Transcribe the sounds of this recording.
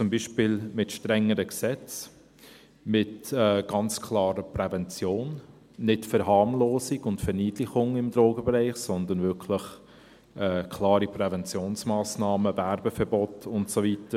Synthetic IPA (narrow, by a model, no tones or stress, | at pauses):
t͡sʊmbiːʃpɪlmɪtʃtɾɛŋːəɾəksɛt͡s | mɪtɛːɡ̥ɑnt͡skʰlɑːɾəpɾɛvɛnt͡sjoːnː | ɪtfɛɾɦɑːmloːsiɡʊntfɛɾniːdlɪχʊŋɪmd̪ɾoːɡəbɛɾɛɪχsɔnd̪ənvɪkʰlɪχ | ʔɛːkʰlɑːɾipɾɛvɛnt͡sjoːnsmɑːsnɑːməvɛɾbəfɛɾbɔtʊntsovitə